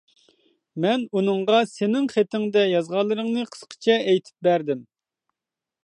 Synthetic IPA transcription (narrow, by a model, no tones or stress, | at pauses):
mɛnunɨŋʁɑsenɪŋχet̪ɪŋd̪ɛjɑzʁɑlˠɨɾɨŋnɨqʰə̥sqʰə̥t͡ʃʰɛɛjt̪ʰɪ̥p̚bæɾd̪ɪm